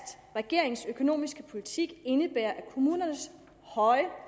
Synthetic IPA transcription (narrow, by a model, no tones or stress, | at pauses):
d̥ | ʁɛɡ̥e̝ɐ̰e̝ŋsøkʰo̝no̝̰ːmisɡ̥əpʰo̝lit͡sʰiɡ̥e̝nəb̥æɐʔækʰo̝muːnɐnəs | hɒ̽ɪə